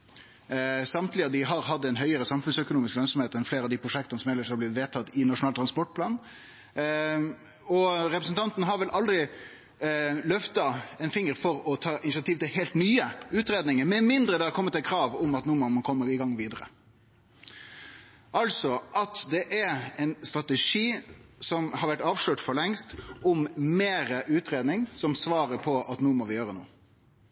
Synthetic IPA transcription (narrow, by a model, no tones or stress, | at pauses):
sɑmt̪lɪɑd̪ɪɦɑɾɦɑd̪ːəɛnɦœʏəɾəsɑmfʉnsœkʊnuːmɪsklœnsɔmheːt̪ɛnfleːɾɑʋd̪iːpʰɾʊʂɛkt̪ɑnəsɔmɛləʂɑɾblɪɪt̪ʋeːt̪ʰɑt̪ːɪnɑʂʊnɑːt̪ʰɾɑnspɔʈ̚pʰlɑːn | ɔɾɛpɾəsn̩t̪ʰɑnt̪nəɦɑɾʋɛlʔɑld̪ɾɪ | lœft̪ɑɛnfɪŋːəɾfɔɾɔt̪ʰɑːʔɪnɪsɑt̪ʰiːʋt̪ɪlɦeːlt̪nyːəʉːt̪ɾeːd̪nɪŋəɾmɛmɪnd̪ɾəd̪ɛhɑɾkʰɔmːət̪ækʰɾɑːʋʊmɑt̪nuːmɑmənkʰɔmːəɾɪɡɑŋːʋiːd̪əɾə̰ | ʔɑlsɔʔɑt̪d̪ɛʔæɛɪnst̪ɾɑt̪əʂiːsɔmhɑɾʋæʈːɑːʋʂɭøːʈfɔɾɭɛŋst̪ʊmmeːɾəʔʉːt̪ɾeːd̪nɪŋsɔmsʋɑːɾəpʰɔʔɑt̪nuːmɔʋɪjøːɾənṵː